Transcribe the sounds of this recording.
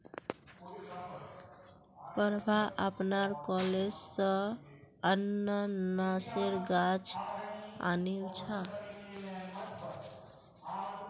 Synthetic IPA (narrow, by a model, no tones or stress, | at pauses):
pəɾbʱaʔəpnaɾkɔled͡ʒsə | ənənaseɾɡat͡ʃ | a̰nilt͡ʃʰa